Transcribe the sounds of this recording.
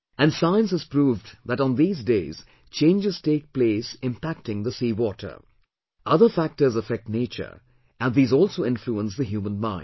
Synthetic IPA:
ʔɨ̃nsãɪ̃nsɨz̥pɾuːvðæɾn̩ðiːzdeɪz̥ | t͡ʃʰẽɪ̃nd͡ʒɨz̥teːk̚pleɪsɪ̃mpæk̚tɪ̃ŋðəsiːwɔtʰə̰ | ʔʌðə˞fæk̚tə˞zəfɛk̚tneɪt͡ʃə̰˞ | ʔæ̃nðiːzɔlˠsoʊɪ̃nfluə̃ns̬ðəɦjuːmə̃nmãɪ̃nd

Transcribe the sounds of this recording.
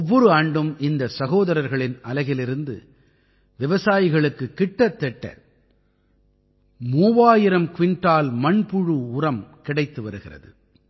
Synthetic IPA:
ɔʋːɔɾɯaːɳɖɯmɪnd̪ɐsɐɣoːðɐɾɐɾɣɐɭɪnɐlɐɣɪlɪɾɯnd̪ɯ̰ | ʋɪʋɐsaːjɪɣɐɭɯkːɯkːɪʈːɐt̪ːɛʈːɐ̰ | muːʋaːjɪɾɐmkʋɪɳʈaːlmɐɳpʊɻɯʊrɐmkɪɽɐɪt̪ːɯʋɐɾɯɣɪrɐ̰ðɯ

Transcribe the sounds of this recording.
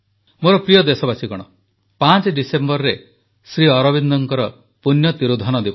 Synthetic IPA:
moɾɔpɾijɔd̪esɔbasikɔɽ̃ɔ | pãt͡ʃɖisembɔɾɾe | sɾiɔɾɔbind̪ɔŋkɔɾɔ | punjɔt̪iɾud̪ʱɔnɔd̪ibɔ

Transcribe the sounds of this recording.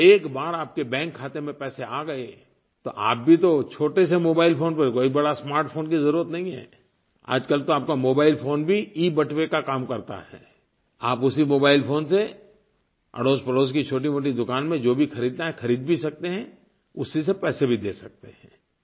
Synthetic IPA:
eːkbaːɾaːp̚kebɛ̃ːŋkʰːaːt̪emẽpɛːseaːɡɐe | t̪o̰ʔa̰ːp̚bʱit̪ot͡ʃʰoːʈesemoːbaːɪlfoːnpɐɾkoːibɐɽasmaːɾʈfʰoːnkizɐɾuːɾət̪nɐɦĩɦɛ̰ː | a̰ːd͡ʒkɐlt̪oaːp̚kamoːbaːɪlfʰoːnbʱiiːbɐʈʰwekakaːmkɐɾt̪a̰ɦɛ̰ː | aːpʊsimoːbaːɪlfoːnse | ɐ̰ɽoːspɐloːskit͡ʃʰoːʈ̬imoːʈ̬id̪ʊkaːnmẽd͡ʒoːbʱixʰɐɾiːd̪̚naɦɛxʰɐɾiːd̪bʱisɐk̚t̪eɦɛ̃ | ʊsːis̬epɛːsebʱid̪eːsɐk̚t̪eɦɛ̃ː

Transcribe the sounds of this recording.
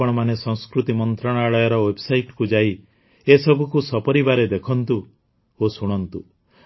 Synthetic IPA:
ɔɽ̃ɔmanesɔ̃ŋskɾut̪imɔnt̪ɾaɽ̃aɭɔjɔɾɔwebɔsajʈkud͡ʒai | esɔbʱukusɔpɔɾibaɾed̪ekʰɔnt̪u | osuɽ̃ɔnt̪u

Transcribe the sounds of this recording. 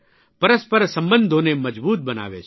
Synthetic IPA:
pɐɾəspəɾsə̃mbənd̪ʱõnemɐd͡ʒbuːt̪̚bəna̰ːʋḛt͡ʃʰ

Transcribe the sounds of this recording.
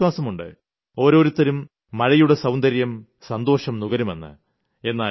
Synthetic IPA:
waːsɐmuɳɖɨ̰ | o̞ːɾo̞ːɾut̪ːɐɾumː | ɐɻɐjuɽesɐwnd̪ɐɾjɐm | sɐnd̪o̞ːʂɐmnuɣɐɾume̞̰nːɨ̰ | e̞nːaː

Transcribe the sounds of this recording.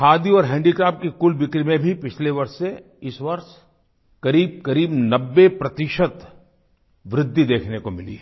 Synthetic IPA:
kʰaːd̪iɔːɾɦɛ̃ːɳɖikaːp̚kikʊlbɪkɾimẽbʱipɪt͡ʃʰleʋɐɾʃse | ɪsʋɐɾʃ | kɐɾiːb̚kɐɾiːbnɐbːepɾɐt̪ɪʃət̪ | ʋɾɪd̪ʱːid̪eːkʰnekomɪlḭɛ

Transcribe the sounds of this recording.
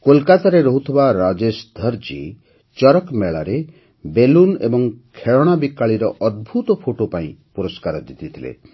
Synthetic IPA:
kolkat̪aɾeɾoɦut̪ʰibaɾad͡ʒesd̪ʱɔɾd͡ʒḭ | t͡ʃɔɾɔkmeɭaɾe | belunḛbɔŋkʰeɭɔɽ̃abikːaɭiɾɔʔɔd̪̚bʱut̪ɔpʰoʈopaĩpuɾɔskaɾɔd̪it̪it̪ʰilḛ

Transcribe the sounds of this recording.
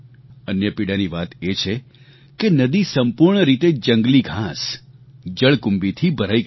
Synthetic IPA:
ənjəpiɽaniʋat̪et͡ʃʰe | kenəd̪isəmpuɾɳəɾit̪ed͡ʒəŋɡliɡʱãs | d͡ʒəɭkumbit̪ʰibʱəɾaj

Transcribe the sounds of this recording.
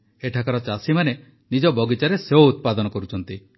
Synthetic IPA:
eʈʰakaɾɔt͡ʃasimane | nid͡ʒɔbɔɡit͡ʃaɾeseoːt̪̚pad̪ɔnɔkɔɾut͡ʃʰɔnt̪i

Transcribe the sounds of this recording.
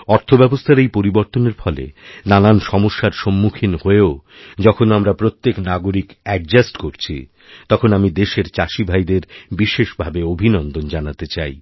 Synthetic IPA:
ɔɾt̪ʰobɛbost̪ʰaɾejpoɾiboɾt̪oneɾfʰɔlḛnananʃɔmoʃːaɾʃomːukʰinhoeo | d͡ʑɔkʰonamɾapɾot̪ːeknaɡoɾikɛk̚d͡ʑasʈkoɾt͡ɕʰḭ | t̪ɔkʰonamid̪eʃeɾt͡ɕaʃibʱajd̪eɾbiʃeʃbʱabeobʱinɔnd̪ond͡ʑanat̪et͡ɕaj

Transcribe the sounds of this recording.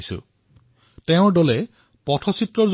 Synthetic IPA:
isṵ | teʊ̃ɖɔle | pɔtʰɔsit̪ɾɔɾz

